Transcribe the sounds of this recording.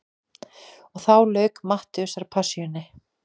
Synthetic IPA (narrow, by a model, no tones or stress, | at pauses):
ɔɣθawlœːɥkmaht̪ʏʏsaɾpʰasjʏnːɪ